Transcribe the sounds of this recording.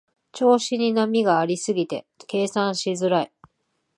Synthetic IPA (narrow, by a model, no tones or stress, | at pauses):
t͡ɕo̞ːɕiɲ̟inamʲiɡaːɾʲisɨɡʲit̪e̞̰ | ke̞ːsãɰ̃ɕizɨɾai